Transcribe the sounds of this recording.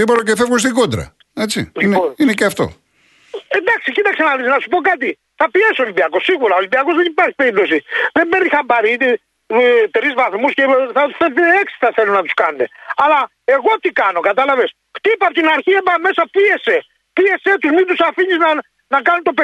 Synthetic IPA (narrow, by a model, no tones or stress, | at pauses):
ðipot̪ɐcefevɣunst̪iɡod̪ɾɐ̰ | et͡sḭinineceɐft̪o̞̰ | end̪ɐksicit̪ɐksenɐlisnɐsu̥po̞kɐt̪̬i | θɐpiesolibiɐko̞sːiɣuɾɐolimbiɐkozðenipɐɾçi̥pe̞ɾip̚t̪o̞siðembeɾnixɐmbɐɾiit̪i | t̪ɾizvɐθmusceθɐt̪usfeeksi̥θɐθelunɐt̪u̥skɐnet̪ḛɐlɐ | e̞ɣo̞t̪ikɐno̞kɐt̪ɐlɐves | xt̪ipɐpot̪inɐɾçiepɐme̞sɐpiese | pie̞set̪uzmind̪usafiɲiznɐ | nɐkɐnut̪o̞pe